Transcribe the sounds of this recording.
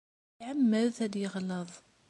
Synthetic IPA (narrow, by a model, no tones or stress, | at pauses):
ʕamːəlθæd̪jəʁləðˤ